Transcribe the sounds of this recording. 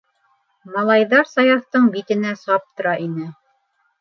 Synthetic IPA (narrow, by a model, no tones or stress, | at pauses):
mɑlˠɑjðɑɾsɑjɑθt̪ɤɴbit̪ɘ̆næsɑp̚t̪ŏɾɑʔinɘ